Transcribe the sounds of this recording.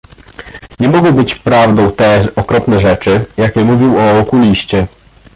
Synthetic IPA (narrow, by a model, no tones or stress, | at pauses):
ɲɛmɔɡɔbɘt͡ɕpɾavd̪ɔ̃w̃t̪ɛɔkɾɔpnɛʐɛt͡ʂɘjakʲɛmuvʲiwɔɔkulʲiɕt͡ɕɛ